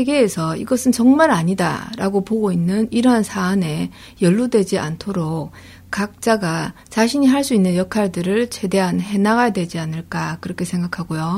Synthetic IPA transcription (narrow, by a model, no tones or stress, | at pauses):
eɡe̞ːsʰʌiɡʌsʰɯnt͡ɕʌŋmaɾaɲida̰ɾaɡopoɡoinːɯniɾʌɦansʰaːne̞ | jʌɭːudwe̞d͡ʑiʔa̰ntʰoɾok̚ | k͈ak̚t͡ɕ͈aɡa | t͡ɕaɕʰiɲiɦaɭs͈uinːɯnjʌkʰaɭdɯɾɯɭt͡ɕe̞de̞ɦanɦe̞naɡajdwe̞d͡ʑianɯɭk͈akɯɾʌkʰe̞sʰeŋɡakʰaɡojo